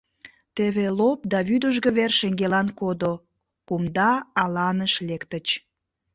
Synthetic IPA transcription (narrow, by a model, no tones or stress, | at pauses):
t̪eβelop̚d̪ɑβyd̪əʒɣəβerʃeŋɡelɑnkod̪o | kumd̪ɑːlɑnəʃlekt̪ət͡ɕ